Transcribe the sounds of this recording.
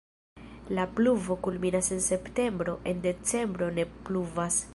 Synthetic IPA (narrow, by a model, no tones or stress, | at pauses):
lapluvo̞kulminasense̞pte̞mbɾo̞ʔe̞nde̞t͡se̞mbɾo̞ne̞pluvas